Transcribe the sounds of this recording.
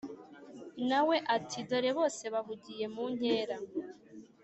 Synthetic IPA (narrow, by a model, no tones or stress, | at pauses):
nawe̞ʔatʰido̞ɾe̞βo̞ːse̞βaɦuɟije̞muɲ̥e̞ːɾa